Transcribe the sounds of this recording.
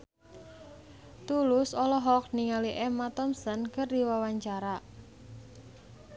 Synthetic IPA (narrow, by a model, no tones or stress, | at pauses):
t̪ulʊsɔlɔɦɔk̚niŋaliʔɛmat̪ɔmsənkərd̪iwawaɲt͡ʃaɾa